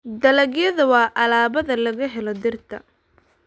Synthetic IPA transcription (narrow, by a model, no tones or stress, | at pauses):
d̪ɐlɐɡjɐðɐwɑːʔɐlaːβɐðɐlɐɣɐɦɛlɔd̪ɪrt̪ʰɐ̰